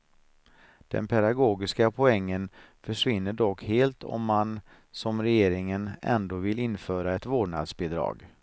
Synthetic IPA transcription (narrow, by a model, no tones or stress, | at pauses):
d̪̥ɛ̰npʰɛd̪aɡoːɡɪskapʰɔɛŋːən | fœʂvɪnːəɖɔkːheːlt̪ʰɔ̰mːan | sɔmɾɛjeːɾɪŋənɛ̰nd̪oːvɪlɪnfœːɾaɛt̪voːɖɳa̰d̪sbɪd̪ɾɑ̰ːɡ